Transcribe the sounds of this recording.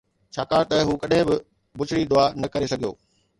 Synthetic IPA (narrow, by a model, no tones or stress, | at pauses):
t͡ɕʰaːkaːɽt̪ɐɦuːkɐɗɦɪ̃bɪ | bʊt͡ɕʰɪɽid̪ʊaːnɐkɐɾesɐɡʱijo̰ː